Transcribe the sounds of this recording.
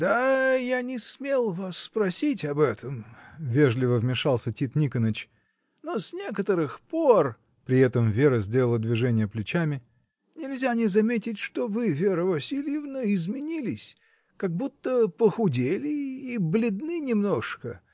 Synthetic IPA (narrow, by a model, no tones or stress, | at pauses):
d̪̥ajanʲɪsmʲelˠvasːpɾɐsʲitʲɐbɛt̪ʰəmvʲe̞ʐlʲɪvəvmʲɪʂɑlˠsʲətʲit̪nʲikənət͡ɕ | nosʲnʲe̞kət̪əɾɨxpor | pɾʲɪɛt̪əmvʲe̞ɾəzʲdʲelʲˠəlˠəd̪vʲɪʐɛnʲɪjəplʲɪt͡ɕamʲɪ | nʲɪlʲzʲanʲɪzɐmʲetʲɪtʲʂt̪ovɨvʲe̞ɾəvɐsʲilʲjɪvnəɪzmʲɪnʲilʲɪsʲ | kaɡ̚but̪ːəpəxʊdʲelʲɪiblʲɪd̪nɨnʲɪmno̞ʂkə